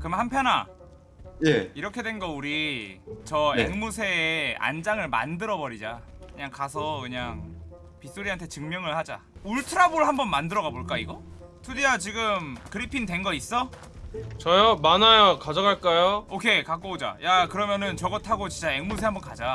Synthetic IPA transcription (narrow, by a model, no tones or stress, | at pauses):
kɯmhampʰjʌna̰ | jeiɾʌkʰe̞dwe̞nɡʌuɾit͡ɕʌeŋmusʰe̞ːa̰nd͡ʑaŋɯɭma̰ndɯɾʌbʌɾid͡ʑakɯɲaŋkas̬ʰʌkɯɲaŋ | pis͈oɾiɦantʰe̞t͡ɕɯŋmjʌŋɯɭhad͡ʑa̰ | uɭtʰɯɾaboɾɯɭhambʌnmandɯɾʌɣaboɭk͈aiɡʌtʰudiat͡ɕiɡɯmkɯɾipʰindwe̞nɡʌis͈ʌ | t͡ɕʌjamanajokad͡ʑʌɡaɭk͈ajookʰe̞kak͈ood͡ʑa̰jakɯɾʌmjʌnɯnt͡ɕʌɡʌtʰaɡot͡ɕint͡ɕ͈aeŋmus̬ʰe̞hambʌnkad͡ʑa